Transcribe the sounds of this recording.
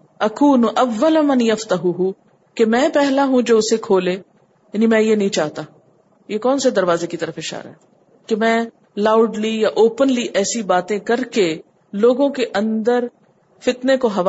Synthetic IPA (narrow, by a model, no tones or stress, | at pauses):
ɐkuːnʔɐʋːəlmɐnjɐft̪ɐɦuɦu | kemɛ̃ːpɛɦlaɦũd͡ʒoːʊsekʰoːleː | jɐːnimɛ̃jenɐɦĩt͡ʃaːɦt̪aː | jekɔːnsed̪ɐɾʋaːzekit̪əɾəfɪʃa̰ːɾa̰ɦɛː | kemɛ̃ː | laːʊɖlijaʔoːpənliʔɛːsibaːt̪ẽkɐɾke | loːɡõkeʔɐ̃nd̪əɾ | fɪt̪nekoɦɐʋ